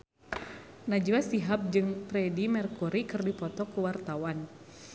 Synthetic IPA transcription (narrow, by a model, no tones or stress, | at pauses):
nad͡ʒuwasiɦap̚d͡ʒɨŋpɾɛdimɛrkuɾikɨrdipɔt̪ɔkuwart̪awan